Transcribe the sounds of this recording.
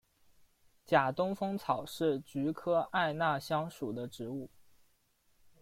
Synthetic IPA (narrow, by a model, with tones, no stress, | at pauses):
t͡ɕja˨˩t̪ʊ˥ŋfɤ˥ŋt͡sʰɑ˨˩ʊʂɻ̩˥˩t͡ɕy˧˥kʰɤ˥ʔa˥˧ɪna˥˩ɕjɑ˥ŋʂu˨˩d̪ə˦ʈ͡ʂɻ̩˧˥u˥˩